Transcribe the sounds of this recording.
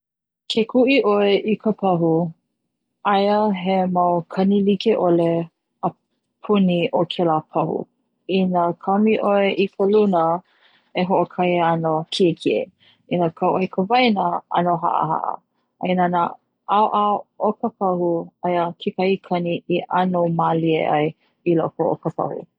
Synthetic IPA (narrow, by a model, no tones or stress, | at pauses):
kʰekʰuʔiʔoeʔikʰəpʰɐɦu | ajəɦemawkʰɐnilikeʔole | ə | pʰuniʔokʰelapʰɐhṵ | inəkʰɐmiʔoeʔikʰəlunə | eɦoʔokʰɐjɐnokʰikʰie | inəkʰawʔojkʰəvajnəɐ̰noɦa̰ʔə̰ha̰ʔə̰ | a̰inana | ʔaoʔaokəpɐhuajəkʰikaikʰɐniiʔanowmaliḛʔa̰j | ilokoo̰kəpʰɐ̰hṵ